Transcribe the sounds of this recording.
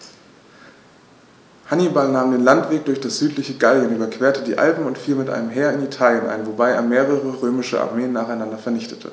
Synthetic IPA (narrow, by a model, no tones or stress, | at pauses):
hanibalnaːmdeːnlantv̥eːk̚d̥ʊɐçd̥asz̥yːtlɪçəɡaljənyːbɐkv̥eːɐtədiːʔa̰lpm̩ʊntfiːlmɪtʔa̰ɪnəmɦeːɐɪnitʰaːljənʔa̰ɪnvobaɪḛːɐmeːʁəʁ̞əʁøːmɪʃəʔa̰ɐmeːənːaːχaɪnandɐfɛɐnɪçtʰə̥tʰə̰